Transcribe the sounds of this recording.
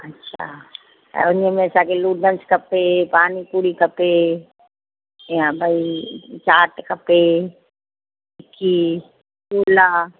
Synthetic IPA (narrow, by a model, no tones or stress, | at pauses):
ɐtːʃʰa̰ | a̰ʊnemẽsakeluːɖə̃nskɐpːepaːnipuːɽikɐpːe | ɦãbʱait͡ʃaːʈkɐpːe | ɪkːi | kuːlaː